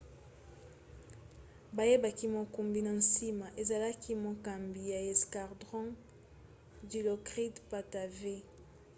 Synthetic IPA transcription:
ba˨je˦ba˨ki˦mo˨ku˨mbi˨na˨nsi˦ma˨ʔe˨za˨la˦ki˦mo˨ka˨mbi˨ja˨e˨ska˨ʁdʁɔ̃˦ | di˨lo˨kʁi˦dpa˨ta˨ve˦

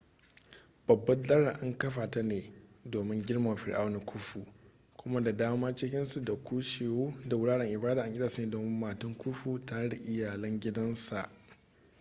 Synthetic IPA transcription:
b̥ɐ˨bːɐ˦dɐ˦ɽa˨ʔa˦ŋkɐ˦ɸaː˨ta˦neː˨doː˨mɪ˦ŋɡʲɪ˦ɽma˨wa˨ɸɪ˨ɾʔa˦wna˦kʷʰʊ˦ɸu˨ | kʷʊ˦ma˦da˨daː˦maː˦t͡ʃɪ˦kʲɪ˦nsu˨da˨kʷuː˦ʃeː˨woː˦da˨wʊ˦ɽaː˦ɽɛ˨ŋʔɪ˨baː˦daː˨ʔa˨ŋɡʲɪ˦aː˨sa˦neː˨doː˨mɪ˦mːaː˨tʊ˦ŋkʷʊ˦ɸu˨ta˦ɽa˨ʔɪ˦jaː˨lɐ˦ŋɡʲɪ˦dɐ˦nsa˨ʔ

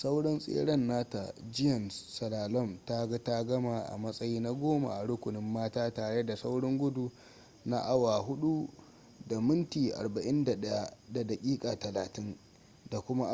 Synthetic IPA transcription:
sa˦wɽɔ˦nsʼḛː˦ɽɐ˦nːaː˦ta̰˨d͡ʒɪ˦jɐ˨nsɐ˨laː˨lɔ˦˨mta˦ɡa˦ta˦ɡɐ˦ma˨ʔa̰˨mɐ˦sʼɐ˦jiː˦na˦ɡʷoː˦ma̰˨ʔa˨ɽʊ˦kʷʊ˨nɪ˦mːaː˦taː˦taː˨ɽe˦da˨sa˦wɽɔ˦ŋɡʷʊ˦du˨ | na˦ʔa˦wa˨ɦʊ˦ɗu˦ | da˨mɪ˦ntiː˨ʔa̰˨rba˨ʔɪ˦nda˨ɗɐ˦ja˦da˨da˨kʲʼiː˦kʼa˨tɐ˨laː˨tɪ˦n | da˨kʷʊ˦ma˦

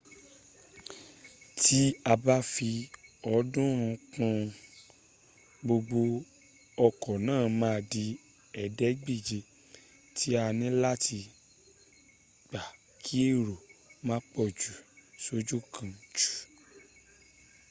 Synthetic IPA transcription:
tʰi˦a˧ba˦fi˧ɔ˧dũ˦ɾũ˧kũ˧ | ɡ͡bo˧ɡ͡bo˧ | ɔ˧kɔ˨nãː˦˨mãː˦˧di˧ | ɛ˨dɛ˦ɡ͡bi˦˨d͡ʒe˧ | tʰi˨˦a˧nĩ˦la˦ti˧ | ɡ͡ba˨ | kʰi˦e˦˨ɾo˨mã˦k͡pɔ˦˨d͡ʒu˨so˧d͡ʒu˦kʰã˧d͡ʒu̥˨

